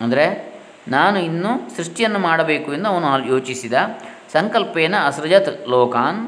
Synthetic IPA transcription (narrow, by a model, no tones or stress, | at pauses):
ɐnd̪ɐɾe̞ | naːnuinːusɾuʂʈijɐnːumaːɽɐbe̞ːkuend̪ɐʋɐnuajoːt͡ʃisid̪ɐ | sɐŋkɐlpeːnɐɐsɾɐd͡ʒɐt̪lɔːkaːn